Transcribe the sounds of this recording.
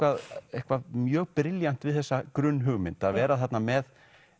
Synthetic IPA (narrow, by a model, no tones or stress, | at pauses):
kvaðehkvaðmjœːɣpɾɪljan̥t̪vɪðθɛsːakɾʏnːɦʏɣmɪnt̪aðvɛːɾaθat̪namɛð